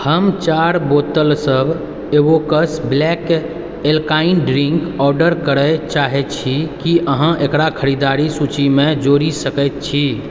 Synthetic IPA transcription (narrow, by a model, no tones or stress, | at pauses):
həmt͡ʃaɾbot̪əlsəbʱ | ebokəsblɛk | elkainɖɾiŋkɔɾɖəɾkəɾət͡ʃaɦɛt̪t͡ʃʰikiʔəɦə̃ʔekɾakʰəɾid̪aɾisut͡ʃimed͡ʒoɾisəkəjt̪̚t͡ʃʰi